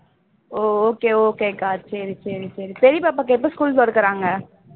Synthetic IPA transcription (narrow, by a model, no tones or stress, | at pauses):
oːoːkeːoːkeːkaːtːʃʰeːɾit͡ʃʰeːɾit͡ʃeːɾit̪eːɾiːpaːpaːkep̬əskuːlzɔːɽkəɾãːŋɡaː